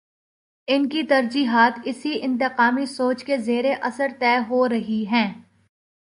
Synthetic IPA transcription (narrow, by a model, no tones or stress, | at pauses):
ɪnkit̪ɐɾd͡ʒiːɦaːt̪ɪsiʔɪ̃nt̪̬ɪqaːmisoːt͡ʃkezeːɾeʔɐsəɾt̪ɛːɦoɾɐɦiɦɛ̃ː